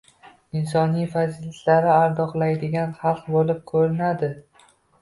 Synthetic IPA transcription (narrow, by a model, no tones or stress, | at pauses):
ɪnsɒnijfazilɪt̪laɾɪaɾd̪ɒqlˠajd̪ɪɡʲanχɑlˠqbolɪp̚kʰɵɾɪnad̪ɪ